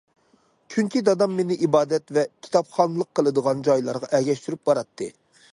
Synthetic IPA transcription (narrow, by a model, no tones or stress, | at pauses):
kʲʰynkʲʰid̪ɑd̪ɑmːenɪʔibɑːd̪ɛt̪vɛkʲʰi̥t̪ɑpχɑnɨlˠəqːəlˠɨd̪əʁɑnd͡ʒɑjlˠɑ̰ɾʁɑʔɛɡʲɛʃt̪yɾyp̚bɑɾɑt̪ʰːɨ